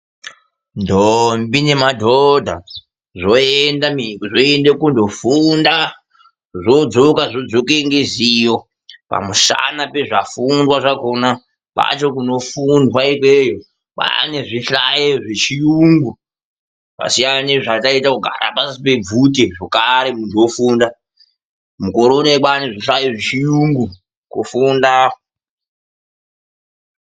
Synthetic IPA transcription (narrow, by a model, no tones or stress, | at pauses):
ndombine̞madʱodʱa̰ | ʐoendamiʐoendekundo̞funda | ʐo̞d͡zokaʐod͡zokeŋɡezijo̞ | pa̰muʃa̰nape̞ʐafundwaʐakona | pa̰t͡ʃo̞kuno̞fundwaikwejo | ɓa̰neʐiɬajeʐet͡ʃijuŋɡu | pa̰sijaneʐataitakuɡʱa̰ɾa̰pasipe̞b͡vuteʐokaɾe̞munzofuːnda | muko̞ɾoneɓaneʐiɬajeʐet͡ʃijuŋɡu | kufundao